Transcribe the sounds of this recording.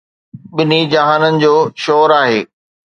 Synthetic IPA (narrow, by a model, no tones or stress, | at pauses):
ɓɪnid͡ʑaɦaːnənɪ̆d͡ʑoːʃɔːɾaːɦeː